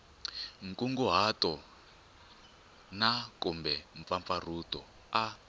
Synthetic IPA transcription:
ŋ̩kʼuŋɡuɦatɔ | nakumbɛɱfaɱfar̤utɔ | a

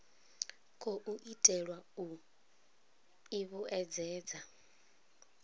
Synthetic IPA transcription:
kʰʼɔʔuʔitʼɛɺwau | iβuʔɛd͡zɛːd͡za

